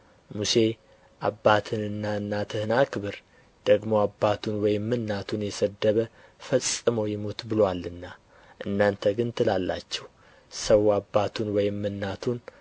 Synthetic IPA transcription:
muse̞ | ʔabːat̪ʰɨnɨnːaɨnːat̪ʰɨhɨnakʰɨβɨɾ | d̪̥əɡmo̞abːat̪ʰunwɔjɪmːɨnːat̪ʰunjɛsəd̪ːəβə | fəsʼːɨməwjɪmot̪bɨlowalːɨnːa | ʔɨnːant̪ʰəɡɨnt̪ʰɨlalːa̰t͡ʃːɛh | səwabːat̪ʰunwɔjɪmːɨnːat̪ʰun

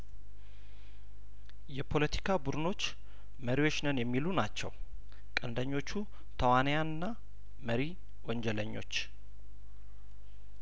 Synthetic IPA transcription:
jɛpʰo̞lət̪ʰi̥kʰabud̪ɨno̞t͡ʃː | məɾiwo̞t͡ʃnənjɛmːilunat͡ʃːɛ̰w | kʼənd̪əɲːo̞t͡ʃːu | t̪ʰəwanəjanɨnːa | məɾi | wɔɲd͡ʒɛləɲːo̞̰t͡ʃː

